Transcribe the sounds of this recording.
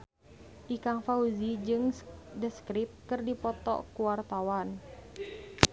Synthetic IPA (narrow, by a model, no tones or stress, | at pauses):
ʔikaŋfauzid͡ʒɨŋdəskɾip̚kɨrdipɔt̪ɔ̰kuwart̪awan